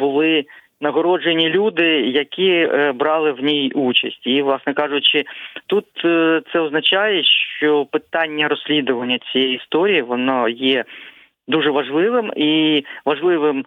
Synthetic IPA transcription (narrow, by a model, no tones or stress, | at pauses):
bʊlˠɪ | nɐɦɔɾɔd͡ʒenʲilʲud̪ɪjɐkʲʰibɾɑlˠɪwnʲijut͡ʃɐsʲtʲiʋlˠɑsnɛkɑʒʊt͡ʃɪt̪ut̪t̪sɛɔznɐt͡ʃɑjɛʃt͡ʃɔpɪt̪ɑnʲːɐɾɔsʲlʲid̪ʊʋɐnʲːɐt͡sʲijɛjist̪ɔɾʲijiʋɔnɔjɛ | d̪uʐɛʋɐʒlˠɪʋɪmiʋɐʒlˠɪʋɪm